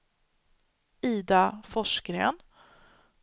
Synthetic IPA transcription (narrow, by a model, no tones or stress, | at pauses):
iːd̪afɔʂkɾḛːn